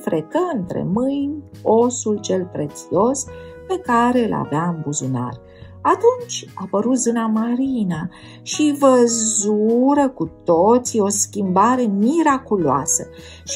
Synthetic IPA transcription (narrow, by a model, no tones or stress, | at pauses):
fɾekəɨnt̪ɾe̞̰mɨjnʲ | o̞sult͡ʃe̞lpɾe̞t̪sio̞spe̞kaɾe̞ɨlʔa̰vaɨmbuzuna̰r | at̪unt͡ʃʲapəɾut̪zɨnamaɾina | ʃivəzuɾəkut̪ot̪sio̞skʲimbaɾe̞miɾakuloa̰sə | ʃ